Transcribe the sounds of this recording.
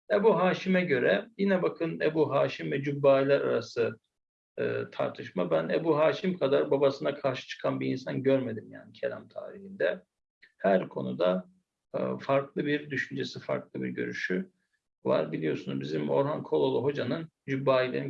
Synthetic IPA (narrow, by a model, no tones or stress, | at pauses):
ebuɦaːʃimɛɟø̞ɾɛjinɛbakʰɯnebuɦaːʃimvɛd͡ʒybːaːilʲæɾa̰ɾasɯ | ɯ̰ːt̪ʰa̰ɾt̪ʰɯʃmabænebuɦaːʃimkʰad̪aɾbabasɯnakʰaɾʃɯ̥t͡ʃʰɯ̥kʰanbiːnsanɟøɾme̞d̪imja̰ːnicʰe̞lʲæ̰mt̪ʰa̰ːɾihind̪ɛ | hæɾkʰo̞̰nṵd̪a | faɾklˠɯbiɾd̪yʃynd͡ʒesifa̰ɾklˠɯbḭɾɟø̞̰ɾy̰ʃy | va̰ɾbilʲijo̞sunṵzbizimo̞̰ɾɦankʰolˠolˠuɦo̞d͡ʒanɯn | d͡ʒybːaːilʲeɾ